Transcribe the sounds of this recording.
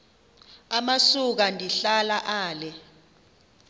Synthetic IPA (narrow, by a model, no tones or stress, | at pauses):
amasuk̬andʱiɬalaʔaːlɛ